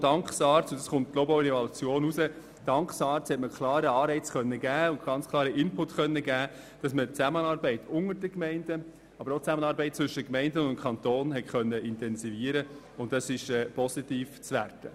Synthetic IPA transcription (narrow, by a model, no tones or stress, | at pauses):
d̥ɑŋksɑːɾt͡sʊndɑsχʊnttlobaʊɾɛvɑlut͡sjoːnusə | d̥ɑŋkχsɑːɾt͡shɛtməkʰlɑːɾəɑːɾɛɪt͡sχœnːəɡæːʊntɡ̥ɑnt͡skʰlˠɑːɾəʔɪnpʊtχœnːəɡæː | d̥ɑsmət͡sæmənɑːɾbɛɪtʰʊŋəɾdəkmɛɪnd̥ə | ɑbəɾot͡sæmənɑːɾbɛɪt̚t͡sʋʏʃəkmɛɪndənʊnkʰχɑntoːnɦɛtχœnːəʔɪntɛnsiviːəɾə | ʊndɑsɪʃɛːpɔsitiːft͡sʋærtə